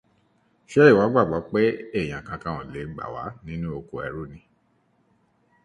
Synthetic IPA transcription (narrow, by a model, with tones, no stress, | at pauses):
ʃɛ˦i˦˨wa˨˦ɡ͡ba˦˨ɡ͡ba˨˦k͡pɛ˦e˦˨j̃ã˨kã˧kã˧ɔ̃˨le˨˦ɡ͡ba̰˨wa̰˨˦nĩ˦nũ˦o˧ko˧˨ɛ̰˧˨ɾu˦˨nĩ˨˧